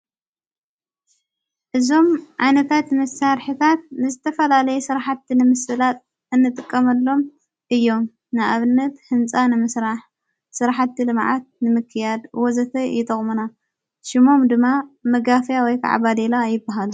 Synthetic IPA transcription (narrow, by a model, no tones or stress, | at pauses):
ʔɨzo̞mʕajnɐt̪ʰat̪mɐsaɾħit̪ʰat̪̚nɨzɨt̪ʰɐfɐlalɐjɛsɨɾaħat̪ːinɨmɨsɨlat̪̚ʼ | ɨnːɨt̪ʼɨkʼːɐmɐlːo̞m | ʔɨjːo̞m | nɨʔaβɨnːɐt̪hɨnt͡sʼanɨmɨsɾaħ | sɨɾaħat̪ːilɨmʕa̰t̪̚nɨmɨkʰːɨjad̪wɔzɐt̪ʰɐjɪt̪ʼɐχʼmuna | ʃɪmo̞md̪ɨmːamɐɡafjawɔjkʰa̰ʕa̰bad̪elajɪbːaɦal